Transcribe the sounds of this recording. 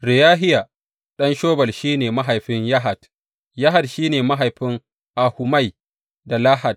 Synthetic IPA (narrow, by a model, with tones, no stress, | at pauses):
ɾɪ˨jaː˦ɦɪ˦ja˨ | ɗɐ˦nʃoː˦bɐ˨lʃiː˦neː˨ma˦ɦa˨jɸɪ˦ɲja˦ɦa˨d | jɐ˦ɦa˨dʃiː˦neː˨ma˦ɦa˨jɸɪ˦ŋ | ʔa˨hʊ˨ma˦˨j | da˨la˦ha˨d̚